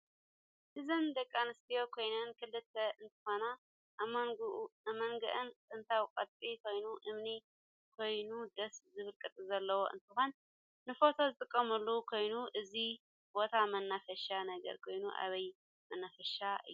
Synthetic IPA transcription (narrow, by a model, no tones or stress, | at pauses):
ʔɨzɨnd̪ɐkʼːanɨst̪ʰijo̞kʰo̞jnɐnkʰɨlːɨt̪ʰːɐʔɨnt̪ʰɨ̥xo̞na | ʔamɐŋɡuʔamɐŋɡɐ̰ʔɨnkʼɨnt̪ʰawkʼɐt̪ʼikʰo̞jnuʔɨmni | kʰo̞jnud̪ɐszɨβɨlkʼɨt̪ʼzɐlːɐwoʔɨ̰nt̪ʰɨxo̞nː | ɨfo̞t̪ʰo̞zɨt̪ʼɨkʼːɐmɨlːukʰo̞jnuʔɨzi | bo̞t̪ʰamɐnːafɐʃanɐɡɐ̰ɾkʰo̞jnuʔa̰βɐj | mɐnːafɐʃaɨ̰jːu